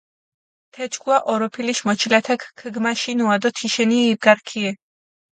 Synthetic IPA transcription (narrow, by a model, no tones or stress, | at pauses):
t̪ʰɛt͡ʃɡʰuaʔɔɾɔpʰiliʃmɔt͡ʃʰilat̪ʰakʰkʰəɡmaʃinuad̪ɔt̪ʰiʃɛniːbɡaɾkʰiɛ